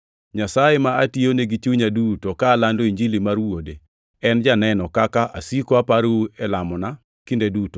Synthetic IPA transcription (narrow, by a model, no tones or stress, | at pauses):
ɲasajemaationeɡit͡ʃuɲadutokaːlandoiɲd͡ʒilimarwode | ɛnd͡ʒanɛnɔkakaʔa̰sikoapaɾuɛlamɔna | kindeduto̥